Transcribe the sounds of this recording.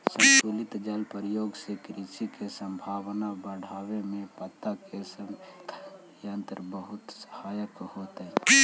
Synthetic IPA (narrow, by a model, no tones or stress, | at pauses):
sə̃nt͡ʃuːlɪt̪d͡ʒəlpəɾəjoːɡsekɾisikesə̃mbʱaːwnabəɽ̤aːwemẽpət̪ːakesəmt̪ | jənt̪ɾbəɦʊt̪sə̥haːjəkhoːt̪ɦɛ̃